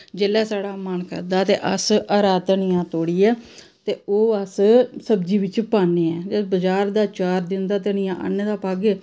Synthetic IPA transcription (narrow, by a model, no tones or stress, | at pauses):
d͡ʒeːlɛːsaːɽaːmənkə̰ɾd̪aːt̪ḛːʔəsəɾaːd̪nɪjãːt̪oːɽiːɛː | t̪eːoːəssəbd͡ʒiːʋɪt͡ʃpaːneːɛːd͡ʒebəd͡ʒaːɾd̪aːt͡ʃaːɾd̪ɪnd̪aːt̪enɪjãːʔə̰nd̪aːpaːɡe